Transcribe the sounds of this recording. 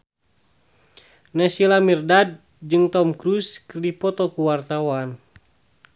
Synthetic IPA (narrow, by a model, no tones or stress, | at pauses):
nɛsilamirdad̚ | d͡ʒɨŋt̪ɔmkɾuskərdipɔt̪ɔkuwart̪awan